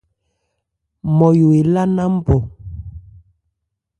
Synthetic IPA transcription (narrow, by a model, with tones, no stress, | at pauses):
mɔ˨jo˨e˨la˦na˦m̩˦bɔ˨